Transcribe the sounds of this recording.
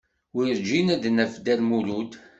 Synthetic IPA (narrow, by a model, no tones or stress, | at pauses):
wiɾd͡ʒinæd̪næfd̪ælmulud̪